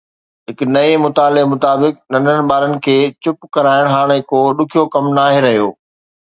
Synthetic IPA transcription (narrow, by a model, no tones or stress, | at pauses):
ɦɪknɐemʊt̪aːlemʊt̪aːbɪk̚nɐ̃ndənɪ̆ɓaːɾənɪ̆kʰeːt͡ɕʊpkɐɾaːɪɽ̃ɦaːɽ̃ekoːɗʊkʰijokɐmnaːɦeɾɐɦijo̰ː